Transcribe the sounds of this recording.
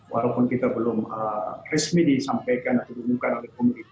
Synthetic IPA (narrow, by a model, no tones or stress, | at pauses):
wʔalawpʊnkit̪abəlʊmərɛsmidisampajkanat̪awdimuŋkanolɛhkomunit̪